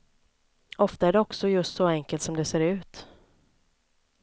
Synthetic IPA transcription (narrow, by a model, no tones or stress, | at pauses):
ɔft̪aæɖɛɔksɔjɵst̪sɔɛŋkəlt̪sɔmd̪ɛseːɾʉ̟ːt̪